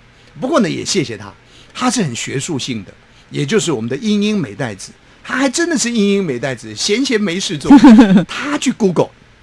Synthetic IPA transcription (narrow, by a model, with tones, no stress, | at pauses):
pu˧˥kwɔ˥˩nə˦jɛ̰˨˩ɕjɛ˥˩ɕjɛ˨˩t̪ʰa̰˥ | t̪ʰa˥ʂɻ̩˥˩xə˨˩nɕɥɛ˧˥ʂu˥˧ɕi˥˩ŋd̪ə˩ | jɛ˨˩t͡ɕjo˥˧ʊʂ̬ɻ̩˥˩wɔ˨˩mə˦nd̪ə˧i˥ŋi˥ŋme˧˥ɪt̪a˥˩ɪd͡zɹ̩˨˩˦ | t̪ʰa˥xa˧˥ɪʈ͡ʂə˦˥nd̪ə˨ʂɻ̩˥˩i˥ŋi˥ŋme˧˥ɪt̪a˥˩ɪd͡zɹ̩˨˩ɕjɛ˧˥nt͡ɕʰjɛ˧˥nme˧˥ɪʂɻ̩˥˧t͡swɔ˥˨t̪ʰa˥t͡ɕʰy˥˩ku˥ko˨˩ʊ